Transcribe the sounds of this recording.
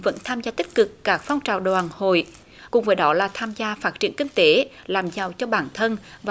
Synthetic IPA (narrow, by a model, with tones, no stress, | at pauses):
və̰˧˥nt̪ʰaː˧mzaː˧t̪ï˦˥k̟̚kɨ˨˩kːaː˦˥k̚fɔ˧wŋ͡mt͡ɕa̰ː˨˩wɗwaː˨˩nho̰˧˨j | kʊ˨˩ŋ͡mvəː˨˦jɗɔ˨˦laː˨˩t̪ʰaː˧mzaː˧faː˦˥t̚t͡ɕi˧˩ənkï˧ŋ̟t̪e˨˦laː˨˩mzaː˨˩wt͡ɕɔ˧ɓaː˧˩nt̪ʰə˧nv